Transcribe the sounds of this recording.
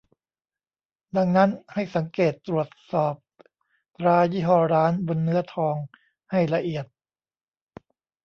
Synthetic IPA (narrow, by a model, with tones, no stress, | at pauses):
da˧ŋna˦˥nha˥˩jsa˩˦ŋkeː˨˩t̪ːɾu˨˩ət̪̚sɔː˨˩p̚ | t̪ɾaː˧jiː˦˥˩ɦɔː˧˩ɾaː˦˥nbo˧nːɯ˦˥ɐt̪ʰɔː˧ŋ | ha˥˩jla˧ʔi˨˩ət̪̚